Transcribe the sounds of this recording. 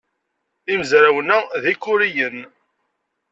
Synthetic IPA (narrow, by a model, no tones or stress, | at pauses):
iməzɾawənæðikːʊɾijən